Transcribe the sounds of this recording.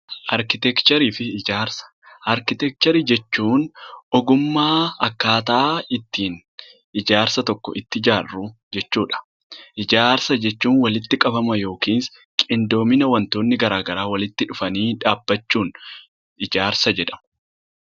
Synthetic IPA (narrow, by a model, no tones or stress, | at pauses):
ʔɐɾkɪt̪ɛkt͡ʃɛɾiːfɪɪd͡ʒaːɾsɐ̥ʔɐɾkɪt̪ɛk̚t͡ʃɛɾid͡ʒɛt͡ʃːuːnɔɡʊmːaːɐkːaːt̪aːɪt̪ːiːn | ɪd͡ʒaːɾsɐt̪ɔkːɔ̰ʔɪt̪ːɪd͡ʒaːrːʊ | d͡ʒɛt͡ʃːuːᶑɐ̥ | ʔɪd͡ʒaːɾsɐd͡ʒɛt͡ʃːuːnwɐlɪt̪ːɪkʼɐbɐmɐjo̞ːkiːns | kʼɪnd̪o̞ːmɪnɐwɐnt̪o̞ːnːɪɡɐɾaːɡɐɾaːwɐlɪt̪ːɪᶑʊfɐniːᶑaːbːɐt͡ʃːuːn | ɪd͡ʒaːɾsɐd͡ʒɛᶑɐ̥mɐ